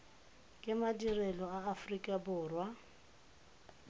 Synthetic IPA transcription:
kʼɪmadirɛlɔaːfrikʼabʊːrwa

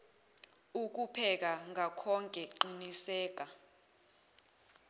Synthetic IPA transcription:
uk̬upʰɛk̬aŋakʰɔŋkʼɛǃinisɛːk̬a

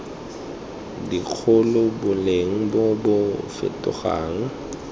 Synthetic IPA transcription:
dik͡xʰʊlʊbʊleŋ̩bɔbʊfɪ̰tʼʊ̰ɣa̰ːŋ̩

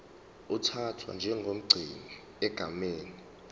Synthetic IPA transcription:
utʰatʰwa̰nd͡ʒʱɛŋɡʱom̩ɡ͡ǀʱini | ɛɡ̥ʱameːni

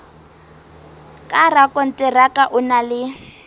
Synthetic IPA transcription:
kʼarakʼɔn̩tʼɛrakʼaʔʊnalɪ

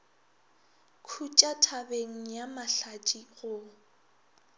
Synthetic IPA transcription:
kʰut͡ʃʼatʰabeŋ̩jamaɬat͡ʃʼiɣʊ

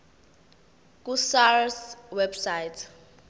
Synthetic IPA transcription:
k̬ʼusarswɛbsajtʰ

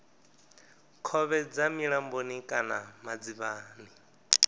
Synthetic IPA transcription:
kʰɔβɛd͡zamiɺambonikʼanamad͡ziβaːni

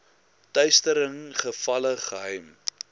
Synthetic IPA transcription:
tœɥstəɾəŋχəfɐləχəɦœjm

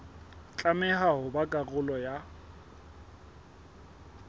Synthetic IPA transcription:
t͡ɬʼamɛɦaɦʊbakʼaɣʊlɔja

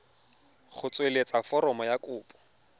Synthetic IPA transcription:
χʊt͡sʼwelet͡sʼafɔɾɔmɔjakʼʊːpʼɔ̥

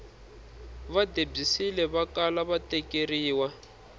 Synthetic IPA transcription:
βadeb͡ʐisilɛβakalaβatɛkʼeriːwa

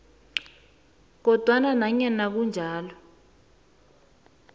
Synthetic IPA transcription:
k̬ɔd̥ʱwananaɲɛnak̬und͡ʒʱaːlɔ

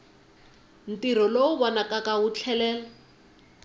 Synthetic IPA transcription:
n̩tiɾɔloʊbɔnakʼakawʊt͡ɬʰɛlɛːla

